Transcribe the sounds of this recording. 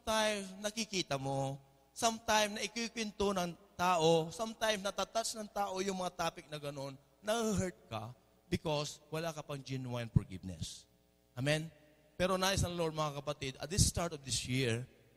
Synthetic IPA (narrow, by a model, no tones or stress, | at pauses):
t̪ajmsnɐkɪkiːt̪ɐmo | sɐmt̪ajmnɐʔɪkwikwɛnt̪onɐŋt̪aːʔosɐmt̪ajmsnɐt̪aːt̪asnɐŋt̪aːʔo̞jʊŋmɐŋat̪aːpɪk̚nɐɡɐno̞nːɐhəɦɛɹt̪̚kɐ | bɪkoswɐlakɐpɐŋd͡ʒɛnwajnfɔɹɡɪ̰vnɛ̰s | ʔamɛn | pɛɾonaːɪsɐŋloɹd̪̚mɐŋakɐpɐt̪id̪ɐ̰t̪̚d̪ɪst̪aɹt̪ɔvd̪ɪsjiɹ